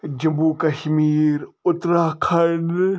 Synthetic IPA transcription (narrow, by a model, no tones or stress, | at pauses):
d͡ʒɐmbuːkɐʃmiːɾʊt̪ɾakʰɐɖ